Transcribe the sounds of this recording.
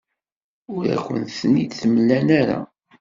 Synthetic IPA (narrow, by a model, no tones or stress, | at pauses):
ʊɾæ̰kʷːə̰nθənːid̪θəmlːænæɾa̰